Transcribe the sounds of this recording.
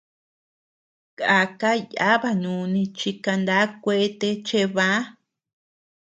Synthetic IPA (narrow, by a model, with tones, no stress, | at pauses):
ka˧ka˦ja̰˦βa˧ɲũ˧nĩ˧t͡ʃi˧ka˧nd̪a˦kʷe˦t̪e˧t͡ʃe˦˧βa˦